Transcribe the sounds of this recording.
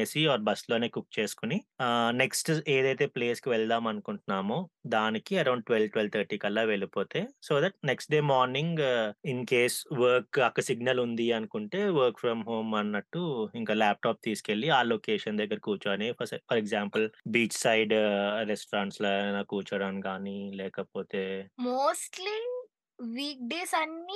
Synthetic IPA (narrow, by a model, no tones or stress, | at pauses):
eːsiɔːɾbɐslo̞ːne̞ːkuk̚ːt͡ʃe̞ːsu̥kunineksʈeːd̪ɐjt̪̬e̞ːpleːskiʋɛɭd̪aːmɐnukuɳʈunaːmoːd̪aːnikiɐɾɐwɳɖ̚ʈʋelʈʋelt̪ʰɐɾʈiːkɐlːaːʋeɭipo̞ːt̪e̞ːsoːd̪ɐʈ̚neksʈɖe̞ːmaːɾniŋɡinkeːsʋɐɾkɐkːɐsiɡnɐlund̪iɐnukuɳʈe̞ːʋəːɾkfʰɾɐmɦoːmɐnːɐʈːuiŋkaːlaːp̚ʈaːp̚t̪iːskelːiaːloːkeːʃɐnd̪ɐɡːɐɾɐkuːt͡ʃaːniɐpʰɐɾɛɡzaːmpɐlbiːt͡ʃsɐjɖɾɛsʈɾaːɳʈslaːnaːkuːɾt͡ʃɐɽaːnɡaːnilɛːkɐpoːt̪eːmoːsʈli | ʋiːk̚ɖeːsɐnːi